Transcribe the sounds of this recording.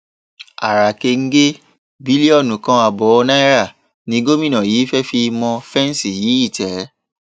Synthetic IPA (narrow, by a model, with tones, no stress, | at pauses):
a˨ɾa˨ke˧ŋ̩˦ɡe˦ | bi˨˦li˦ɔ˦˨nũ˨kã˧˦a˨bɔ˨˦ɔ˧nã˦i˦ɾa˦˨ | nĩ˨˧˦ɡo˦mĩ˦nã˨jiː˨˦fɛ˦fi˧mɔ̃˧fɛ̃˦n˦si˨ji˨˦i˦˨tɛ˨˦